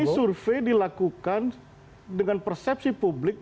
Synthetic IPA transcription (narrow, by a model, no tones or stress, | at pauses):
isurfejdilakukan | dəŋanpərsɛp̚sipublɪk̚